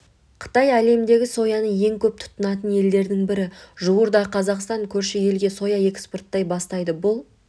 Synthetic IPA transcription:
qʰə̥t̪ɑjæle̞md̪e̞ɡʲɪso̞jɑnəje̞ŋkʲʰɵp̚t̪ʰʊ̥t̪ːənɑt̪ənje̞ld̪e̞ɾd̪ɪŋbɪɾɪʒuwəɾd̪ɑqʰɑzɑqst̪ɑŋkʲʰɵɾʃɪje̞lɡʲe̞so̞jɑe̞ksport̪ːɑjbɑst̪ɑjd̪əbʊlˠ

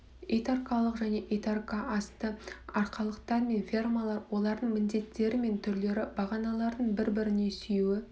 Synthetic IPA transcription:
ejt̪arkɑlˠəqʒæne̞ʔejt̪arkaʔɑst̪əɑɾqɑlˠəqt̪ɑɾme̞nfʲermalˠɑɾwo̞lˠɑɾd̪əɴmɪnd̪e̞t̪ːe̞ɾɪme̞nt̪ʰʏɾle̞ɾɪb̥ɑʁɑnɑlˠɑɾd̪əɴbɪɾbɪɾɪne̞sʏjuwɪ

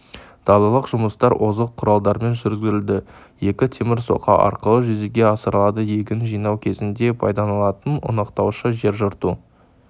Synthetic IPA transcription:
d̪̥ɑlˠɑlˠəqʒʊməst̪ɑɾʔozəqʰːʊɾɑlˠd̪ɑɾme̞nʒʏɾzɡʲɪɾɪld̪ɪje̞kʲɪt̪ʰe̞mɪɾso̞̰qʰɑ̰ʔɑ̰ɾqəlˠəʒʏzeɡʲe̞ɑsəɾlˠɑd̪əje̞ɡʲɪnʒijnɑwkʲʰe̞zɪnd̪e̞pʰɑ̰jd̪ɑnɑlˠɑt̪ənʊ̰nɑqt̪ɑwʃəʒe̞ɾʒʊɾt̪u

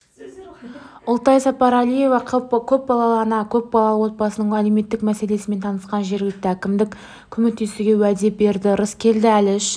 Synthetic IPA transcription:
ʊlˠt̪ɑjsɑpɑɾɑlije̞vɑqʰkʲʰɵp̚bɑlˠɑlˠɑnɑkʲʰɵp̚bɑlˠɑlˠəwo̞t̪̚bɑsənəɴæleme̞t̪ːɪkmæse̞le̞sɪme̞nt̪ʰɑnəsqɑnʒe̞ɾɡʲɪlɪk̚t̪ɪækʲɪmd̪ɪkʲ | kʲʰʏmek̚t̪ːe̞st̪ɪɡʲe̞wæd̪e̞p̚be̞ɾd̪ɪɾəskʲʰe̞ld̪ɪælɪʃ

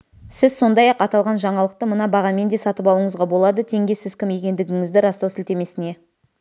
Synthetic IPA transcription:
sɪzso̞nd̪ɑjɑqɑt̪ɑlˠʁɑnʒɑɴɑlˠəq̚t̪əmənɑbɑʁɑme̞nd̪e̞sɑt̪əpɑlˠəɴəzʁɑbo̞lˠɑd̪ət̪ʰe̞ŋɡʲe̞sɪzkʲʰɪmje̞kʲe̞nd̪ɪɡʲɪŋɪzd̪ɪɾɑst̪ɑwsɪlt̪e̞me̞sɪne̞

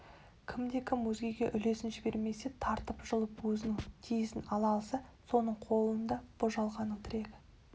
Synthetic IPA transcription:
kʲʰɪmd̪e̞kʲʰɪmwɵzɡʲe̞ɡʲe̞ʔʏle̞sɪnʒɪbe̞ɾme̞se̞t̪ʰɑɾt̪əpʒəlˠəpwɵzɪnɪŋt̪ʰijɪsɪnɑlˠɑlˠsəso̞nəɴqʰo̞lˠənd̪ɑb̥oʒɑlˠʁɑnəŋt̪ʰɪɾe̞ɡɪ

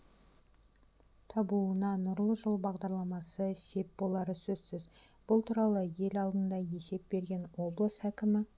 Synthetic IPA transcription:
t̪ʰɑbuənɑnʊɾlˠəʒəlˠbɑʁd̪ɑɾlˠɑmɑsəse̞p̚bo̞lˠɑɾəsɵzsɪz | b̥ʊlˠt̪ʰuɾɑlˠəje̞lɑlˠd̪ənd̪ɑje̞se̞p̚be̞ɾɡʲe̞nwo̞blˠəshækʲɪmɪ

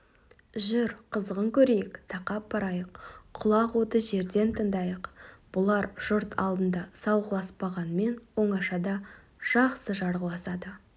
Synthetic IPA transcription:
ʒʏɾqʰəzəʁəŋkʲʰɵɾe̞jɪkt̪ʰɑqɑp̚bɑɾɑjəqʰʊlˠɑqwo̞t̪əʒe̞ɾd̪e̞nt̪ʰəŋd̪ɑjəqb̥ʊlˠɑɾʒ̥ʊɾt̪ʰɑlˠd̪ənd̪ɑsɑwʁəlˠɑspɑʁɑnəme̞nwo̞ɴɑʃɑd̪ɑ | ʒ̥ɑqsəʒɑɾʁəlˠɑsɑd̪ə

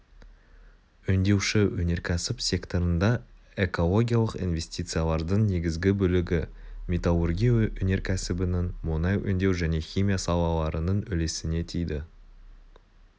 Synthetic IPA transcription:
ʏnd̪e̞wʃɪwɵne̞ɾkʲʰæsɪpsʲe̞kt̪o̞ɾənd̪ɑ | e̞ko̞lˠo̞ɡʲijalˠəqḭnve̞sʲt̪it̪sɨjalˠɑɾd̪əɴne̞ɡʲɪzɡʲɪbɵlɪɡʲɪ | mʲet̪alˠurɡʲijɵne̞ɾkʲʰæsɪbɪnɪŋmʊnɑjʔʏ̰nd̪e̞wʒæne̞χʲimʲijasɑlˠɑlˠɑɾənəɴʏle̞sɪne̞t̪ʰijd̪ɪ

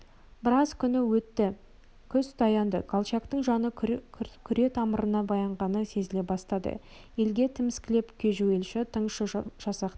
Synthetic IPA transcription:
bɪɾɑzkʲʰʏnɪwɵt̪ːɪ | kʲʰʏsd̪ʰɑjɑnd̪ə̰kʰolˠt͡ʃɑkt̪əɴʒɑnəkʲʰʏɾe̞t̪ʰɑməɾənɑbɑjɑɴʁɑnəse̞zɪle̞bɑst̪ɑd̪ə̰ | je̞lɡʲe̞t̪ʰɪmɪskʲɪle̞pkʲʰeʒue̞lʃɪt̪ʰəɴʃəʒ̥ɑsɑq̪

